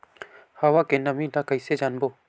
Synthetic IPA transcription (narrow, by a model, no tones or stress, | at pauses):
hawakenɐmĩd̪akəjsed͡ʒaːnboː